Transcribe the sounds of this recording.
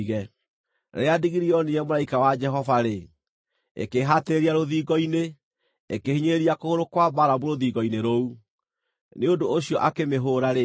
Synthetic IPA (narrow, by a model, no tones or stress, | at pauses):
ɣɛ | ɾeadiɣiɾiɔnijɛmoɾaikawad͡ʒɛɦɔvaɾe | ḛkeɦateɾeɾiaɾoðiːɣɔine | ekehiɲeɾeɾiakooɾokwabaɾaboɾoðiːɣɔineɾou | neondooɕiɔʔakemeɦoɾaɾe